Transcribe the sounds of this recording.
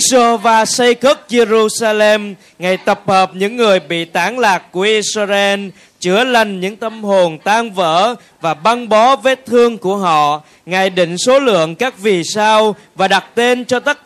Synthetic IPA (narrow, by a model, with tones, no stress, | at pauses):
svaː˧sa˧jkə˦˥t̚ze˧zu˧saː˧lɛ˧m | ŋa˨˩jt̪ə˨˩p̚həː˨˩p̚ɲɨ̰˧˥ŋːɨ˨˩əjɓḭ˧˨t̪aː˨˦ŋlaː˨˩k̚ku˧˩əʔi˧szɛ˧n | t͡ɕɨ˧˩əla˨˩jŋ̟ɲɨ̰˧˥ŋt̪ə˧mɦo˨˩nt̪aː˧ŋvə̰ː˧˥ | vaː˨˩ɓa˧ŋɓɔ˨˦ve˨˦t̪ʰɨ˧əŋku˧˩əɦɔ̰˧˨ | ŋa˨˩jɗḭ˧˨ŋ̟so˨˦lɨ̰˧˨əŋkaː˦˥k̚vi˨˩saː˧w | vaː˨˩ɗa˨˩t̚t̪e˧nt͡ɕɔ˧t̪ə˦˥t̚